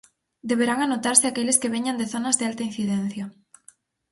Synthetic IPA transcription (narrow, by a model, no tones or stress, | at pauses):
d̪eβ̞eɾaŋanot̪aɾsɪakeleskeβ̞eɲãnd̪eθonazðɪalt̪ain̟θiðen̟θja